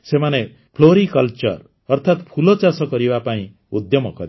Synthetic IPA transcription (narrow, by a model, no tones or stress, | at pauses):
semane | pʰloɾikʌlt͡ʃʌ̰r | ʌrt̪ʰat̪pʰulɔt͡ʃasʌkʌɾibapaĩ | ud̪jʌmɔ̰kʌɾi